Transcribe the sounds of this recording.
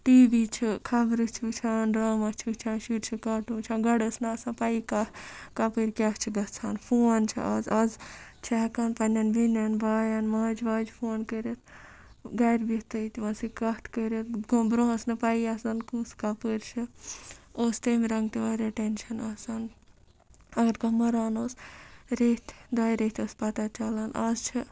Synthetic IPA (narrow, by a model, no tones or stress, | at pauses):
ʈiːbit͡ʃʰikʰɐbɾɨt͡ʃʰut͡ʃʰaːnɾaːmɐt͡ʃʰut͡ʃʰãːnʃuɾt͡ʃʰikaʈũːt͡ʃʰãːɡɐɽɐsnɐːsãːpaikakɐpəɾʲkʲaɦt͡ʃʰiɡɐt͡sʰaːnpʰoːnt͡ʃʰḭʔɐzɐzt͡ʃʰɛkɐnpɐnʲɐnbinʲɐnbaːjanmaːd͡ʒbaːd͡ʒpʰoːnkəɾet̪ | ɡaɾbit̪ɐit̪iʋãːsikɐt̪ʰkəɾet̪ɡobɾõsnɨpaiasɐnkuːskapɨːɾt͡ʃʰi | oːst̪emɾɐŋɡt̪iʋaːɾʲeʈenʃɐnaːsɐn | ɐɡɐɾkɐmɐɾaːnoːsɾet̪ʰd̪aːjɾet̪ʰoːspɐt̪at͡ʃɐlɐnazt͡ʃʰi